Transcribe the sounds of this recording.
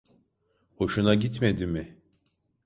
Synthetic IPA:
ho̞ʃunaɟit̪med̪imɪ

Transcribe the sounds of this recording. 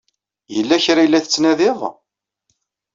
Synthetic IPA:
jəlːæçɾajlːæθət͡sːnæðɪðˤ

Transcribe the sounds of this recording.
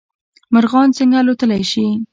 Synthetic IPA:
maɾɣɑnt͡sɪŋɡalot̪əlajʃi

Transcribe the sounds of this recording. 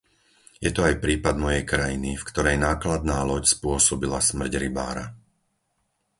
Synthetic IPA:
jɛt̪ɔajpɾiːpad̪mɔjɛjkɾajinifkt̪ɔɾɛjnaːklad̪naːlɔcspʊɔsɔbilasmr̩ɟɾiba̰ːɾa̰

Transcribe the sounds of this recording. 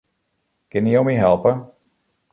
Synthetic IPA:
kɪniomiɦɛlˠpə

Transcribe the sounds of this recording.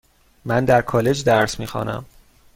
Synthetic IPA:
mænd̪æɾkʰɒːle̞d͡ʒd̪æɾsmiːxɒ̰ːnæ̰m

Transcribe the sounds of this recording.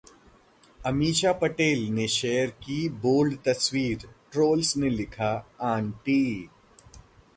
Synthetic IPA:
ɐmiːʃapɐʈeːlneʃɛːəɾkiboːlɖt̪ɐswiːɾʈɾoːlsnẽlɪkʰaãːɳʈiː

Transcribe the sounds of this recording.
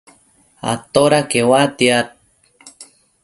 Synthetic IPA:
a̰t̪oɾakewat̪iat̪̚

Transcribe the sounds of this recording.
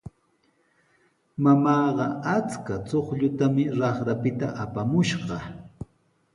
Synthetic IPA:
mamɑːɢɑat͡skat͡soχʎʊt̪amɪɾɑχɾapɪt̪a̰ʔapamʊʃɢɑ

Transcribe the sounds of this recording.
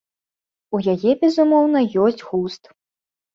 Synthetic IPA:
ujajɛbʲɛzumɔwn̪ɐjɔsʲt͡sʲɣust̪

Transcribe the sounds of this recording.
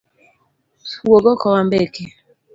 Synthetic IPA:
swoɡɔkɔwambɛke

